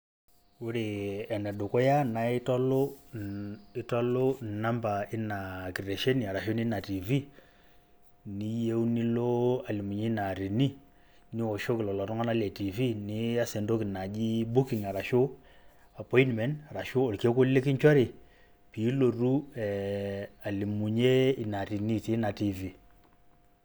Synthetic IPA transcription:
u˦ɾi˨ɛ˨nɛ˨dʊ˨kɔ˦ja˦na˨ɪ˦tɔ˦lʊ˦ | ɪ˦tɔ˦lʊ˦˨na˦mba˨ɪ˦na˨ki˨ɾe˨ʃe˦ni˨a˨ɾa˨ʃo˦ni˦na˨ti˨vi˦ | ni˦je˦wu˦ni˦lo˦a˨li˨mu˨ɲi˦na˨ɾi˨ni˦ | nɪ˦ɔ˨ʃo˦kɪ˨lɔ˨lɔ˨tɔ˦ŋa˦na˦le˨ti˨vi˦nɪ˦a˦se˨ndo˦kɪ˨na˨d͡ʒi˦bu˦ki˨ŋa˨ɾa˨ʃo˦ | a˨pɔ˦i˦nmɛ˨˦na˨ɾa˨ʃo˦o˨lke˦kʊ˦le˦kɪ˦ɲt͡ʃɔ˦ɾi˨ | pi˨˦lo˨ɾu˦ɛ˨a˨li˨mu˨ɲe˦ɪ˨na˨ɾi˨ni˦˨ti˨˦na˨ti˨vi˨

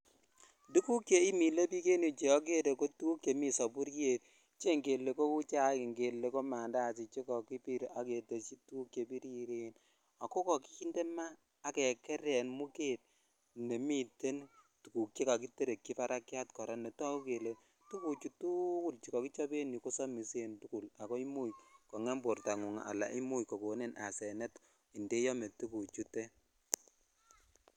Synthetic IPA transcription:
du˦ku˦kje˦i˦mi˨le˦pi˦ke˦ni˨t͡ʃe˨ɔ˦k̬e˦ɾe˨ko˦tu˦ku˦kje˨mi˨sɔ˨pu˦ɾje˨t̚ | t͡ʃe˦ŋɡe˨lːe˨ko˦ku˦t͡ʃa˦ki˨ŋɡe˨lːe˦ko˦ma˨nda˦˨t͡ʃi˨t͡ʃe˦kɔ˨ki˦pi˦ɾa˨ke˨te˨t͡ʃi˦tu˦ku˦kje˨pi˦ɾi˦ɾe˦n | a˨ko˦kɔ˨ki̥˦ki˦nde˦maː˦ | kɛ˨kɛ˦ɾɛ˨nmu˦ke˦t̚ | ne˨mi˦te˦ntu˨ku˨kje˦ka˨ki˦te˦ɾe˨kːi˦fa˦ɾʔa˦kja˦tkɔ˨ɾa˦ne˨ta˦u˦ke˨le˨ | tu˦ku˨t͡ʃu˦tu˦ku˦lt͡ʃi˨kɔ˨ki˦t͡ʃɔ˦be˦ni˨ko˦sɔ˦mi˨se˦ntu˦ku˨la˨kɔ˦i˦mu˦jkɔ˨ŋɛ˦mbo˨rta˨ŋu˨ŋa̰˨ʔa̰˨la̰˨ʔi˦mu˦jkɔ˨ko˨ne˦nʔa˨sɛ˨nɛ˦t | i˨nde˦jɔ˦me˨tu˦ku˨t͡ʃu˦te˦

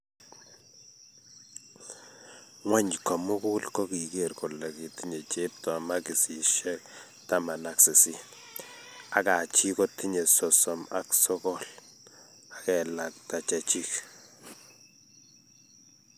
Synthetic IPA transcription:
ŋwa˦ɲka˨mʊ˦ku˦lko˦ki˨ke˨ɾko˨la˨ki˨ti˦ɲe˨t͡ʃe˦p̚tɔ˨ma˦ki˨si˨ʃɛ˦k̚ | ta˦ma˨na˨ksɪ˨si˦ | a˨˦ka˨t͡ʃi˦ko˦ti˦ɲe˨sɔ˨sɔ˨ma˨ksɔ˦kɔ˦˨l | a˨kɛ˨la˨k̚ta˨t͡ʃa˨t͡ʃi˦k

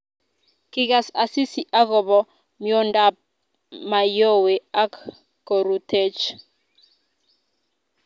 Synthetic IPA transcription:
ki˦ɡa˨sa˨si˦si˨ʔa˦ɡɔ˨bɔ˨ | mjɔ˦nda˦˨p̚ | ma˨jo˦we˨a˦kː | o˨ɾu˨tʰe˦t͡ʃ

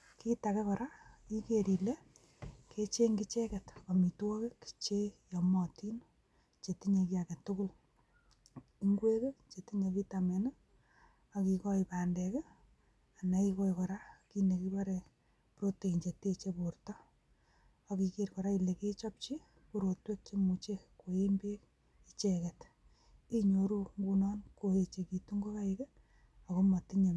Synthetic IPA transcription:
ki˦take˦kɔɾa˦i˦keɾile˦ | ket͡ʃe˦ŋɡɪ˦t͡ʃe˦kɛ˨tɔ˨mi˨twɔ˦ke˦ki̥t͡ʃe˦jɔ˨mɔti˦n | t͡ʃe˨ti˦ɲe˧ki˦ake˨tʊkʊ˦l | iŋɡwe˦ke˦t͡ʃe˨ti˦ɲe˨ki˦tamɛ˨nɪ˦ | ɔkikɔ˦ipa˨ndɛke˦ | a˨na˦ikɔ˦jkɔɾa˦ki˦ne˨kipa˦ɾe | pɾo˦te˨i˨ɲt͡ʃe˨te˦t͡ʃeportɔ˦ | a˨ki˧ke˦ɾkɔ˨ɾa˦i˨le˨ke˦t͡ʃɔ˦p̚t͡ʃi˦ | ku˦ɾo˨twe˦k̚t͡ʃe˦mu˨t͡ʃe˦ko˨e˦mbe˦k | i˦t͡ʃekɛ˨t | i˦ɲo˨ɾu˦ŋɡu˦nɔːnko˨e˨t͡ʃe˨ki˨tu˦ŋɡo˦ka˦ike˦ | a˨ko˦ma˨tiɲe˨m

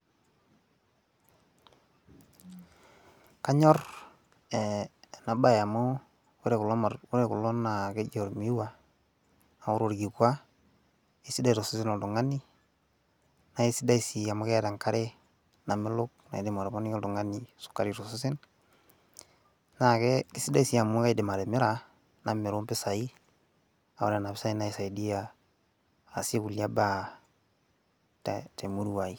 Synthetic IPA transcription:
ka˦ɲɔ˦r | ɛna˨ba˦ja˨mo˦ | ɾe˨kʊ˦ɾe˨kʊ˨lːɔ˦na˨ke˦ɟɔ˨ɾmi˦wa˨ | na˨ʊ˦ɾo˦˨ɾɡi˨kwa˦ | e˦si˦da˦i˨ɾɔ˨su˦sɪ˦nɔ˨ldʊ˨ŋa˦ni˦ | na˨i˦si˦da˦i˨si˨a˨mo˦kɛ˦ta˨ŋka˦ɾe˦ | na˨mɪ˦lʊ˦k̚na̰˨i˨de˨ma˨ɾe˨mo˦ni˦ɔ˦ldu˨ŋa˦nːi˨su̥˨kːa˦ɾi˨ɾo˨su˦si˦n | na˨kɛ˦ki˦si˦da˦i˦si˨ja˨mːu˦ka˦ide˨ma˨ɾe˨mɪ˦ɾa˨ | na˨mːɪ˨ɾu˦mpɪ˦sa˨i˦ | a˨o̰˦ɾe˦˨na˨bɪ˦sa˦i˦na˦i˨sa˨i˨di˦ja˦ | a˨se˦ku˨lja˦ba˦ | tte˨mu˦ɾu˦wa˨i˨

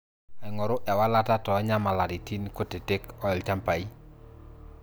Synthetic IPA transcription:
a˨i˨ŋɔ˨ɾʊ˦ʔɛ˨wa˦la˦ta˦tɔ˨˦ɲa˦ma˨la˨ɾi˨ti˦nko˦te˨te˦kɔ˦ɛ˨lt͡ʃa˦mpa˨i˦

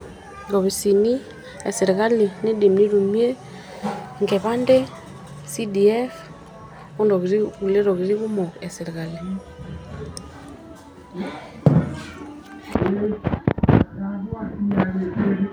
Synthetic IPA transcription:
ɡɔ˨βi˨si˨ni˦ | ɛ̰˨sɛ˨ɾɣa˦li˨ne˦de˨mni˦ɾu˨mi˦e˦ | ŋɡɛ˨βa˦nde˦ | si˦di˨ɛ˦f | ɔ˦ndɔ˨ɣɾi˦u˨le˦ɾɔ˨ɣi˨ɾi˦ɣu˦mɔ˨ɛ˨sɛ˨ɾe˨ɣa˨le˨

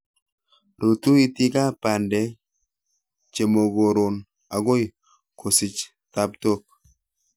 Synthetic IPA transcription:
ɾo˨tu˦i˦ti˦ka˦pa˨ndɛ˨ | t͡ʃe˨mo˨ɡo˨ɾo˨n | a˨ɡo˦j | kʰo˨sɪ˨t͡ʃ | ta˨pto˦k̚

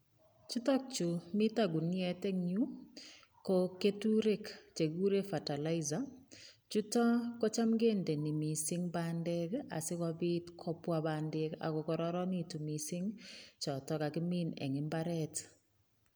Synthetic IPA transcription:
t͡ʃu˦tɔ˦k̚t͡ʃu˨mi˦t̪a˦ɡu˨nɛ˨te˦ŋɲu˦ | ko˦ke˦tu˦ɾe˦kt͡ʃe˨ɡu˦ɾe˦fa˨ta˨la˦ɪza˨ | t͡ʃu˦tɔ˦kɔ˦t͡ʃa˦mɡe˦nde˨ni˨mi˨sɪ˦ŋbandɛ˦ka̰˨sɪ˦ka˦bi˦tkʰɔ˦pwa˦bandɛ˦ka̰˨kɔ˨kɔ˨ɾɔ˦ɾɔ˦ni˦˨tu˨mi˨sɪ˦ŋt͡ʃɔ˨tɔ˦ka˨kɪ˦mi˦nɛ̰˨ŋɪ˦mbaɾɛt

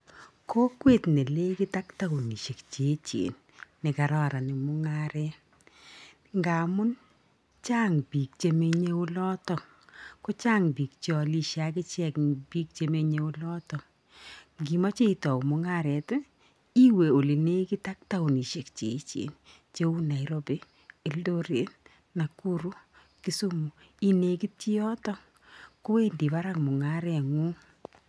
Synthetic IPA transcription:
ko˦kwe˦˨tne˨le˦kɪ˦ta˦kta˦ʊ˨ni˨ʃe˨kt͡ʃe˨˦t͡ʃḛ˨nː | ɪ˨ka˨ɾɔ˦ɾa˨nɪ˨mʊ˦ŋa˦ɾɛ˦ | ŋɡa˨mʊ˦n | t͡ʃa˦ŋbi˨k̚t͡ʃe˦me˦ɲe˦ʊ˦lɔ˦tɔ˦ | kɔ˦t͡ʃa˦ŋbi˨k̚t͡ʃɔ˨li˦ʃa˦k̬ɪ˦t͡ʃɛ˦kbi˦k̚t͡ʃe˦me˦ɲe˦ʊ˦lɔ˦tɔ˨ | ɡi˨ma˦t͡ʃe˦i˨tɔ˨kmʊ˨ŋa˦˨ɾɛ˨t | i˦we˨o˨li˨ne˦ki˦ta˦k̚ta˦u˨ni˨ʃe˨kt͡ʃḛ˨˦t͡ʃḛ˨n | t͡ʃe˦u˦na˨i˨ɾo˦be˦ | e˨ldo˦ɾe˨˦n | na˨ku˦ɾu˦ | ki˦su˦mu˨ | i˦ne˨ki˦ti˦ɔ˦tɔ˦ | ko˦we˦ndi˨pa˦ɾa˦ŋmʊ˨ŋa˦ɾɛ˨ŋu˦

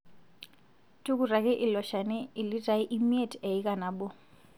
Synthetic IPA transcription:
tʼu˦kura˨kɛ˦ʔi˨lɔ˨ʃa˨nɛ˦i˨li˦ra˨i˦ʔi˦mi˦e˦tʰʼɛ˨i˦ka˨na˨ɓɔ˦

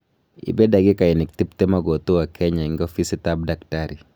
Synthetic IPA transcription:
ɪ̰˨bɛ˦da˨ɡɪ˦ka˨ɪ˨nɪ˨k̚t̪i˦p̚t̪ɛ˦ma˦ɡo˨t̪o˦wa˨kʰɛ˦ɲa˨ɪŋɡa˦fi˦sit̪ab̚daktaɾi˨

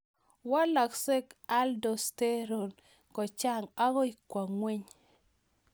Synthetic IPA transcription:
wa˦la˨kse˦ka˦ldo˨ste˦ɾo˨n | kɔ˨t͡ʃa˦ŋa˦ɡɔ˦i˨kwa˨ŋwe˦ɲ

